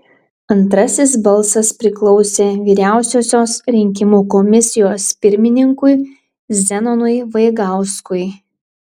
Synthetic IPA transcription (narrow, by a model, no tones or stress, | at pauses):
ɐnt̪ɾɐsʲɪsbɐlˠsɐspʲɾʲɪklˠɔʊsʲeːʋʲiːɾʲæˑʊsʲoːsʲoːsɾʲɪŋʲkʲɪmuːkɔmʲɪsʲɪjoːspʲɪɾʲmʲɪnʲɪŋkʊɪ | zʲɛnɔnʊɪʋɐɪɡɑˑʊskʊɪ